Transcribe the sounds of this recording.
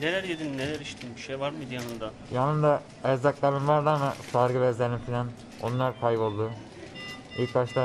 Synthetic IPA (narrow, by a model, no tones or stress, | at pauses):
nelʲæɾjed̪innelʲæɾiʃt̪ʰinbiʃejvaɾmɯd̪ijanɯnd̪a | janɯnd̪a | ɛzd̪aklˠaɾɯmvaɾd̪anmɯsaɾɡɯvɛzlʲeɾimfilʲan | o̞nlˠaɾkʰajbo̞lˠd̪u | ilkbat͡ʃlˠa